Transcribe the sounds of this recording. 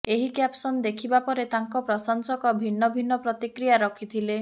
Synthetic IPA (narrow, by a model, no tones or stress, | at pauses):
eɦikjapsɔnd̪ekʰibapɔɾet̪aŋkɔpɾɔsɔnsɔkɔbʱinːɔbʱinːɔpɾɔt̪ikɾijaɾɔkʰit̪ʰile